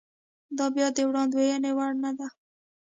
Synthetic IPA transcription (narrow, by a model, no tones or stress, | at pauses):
d̪ɑbjɑd̪ewɽɑ̃nd̪wejanewaɽnad̪a